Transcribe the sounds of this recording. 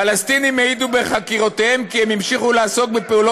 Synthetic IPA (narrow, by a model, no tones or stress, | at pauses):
alast̪inimeid̪ube̞χakiʁo̞t̪ehe̞mkiemimʃiχulaaso̞k̚bepeulo